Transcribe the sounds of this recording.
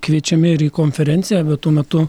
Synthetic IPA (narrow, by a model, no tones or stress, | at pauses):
kʋʲiɛt͡ʃʲɛmʲɪɪɾiːkoːnʲfʲɛɾʲɛnt̪sʲɪjæːbʲɛt̪t̪uːmʲɛt̪ʊ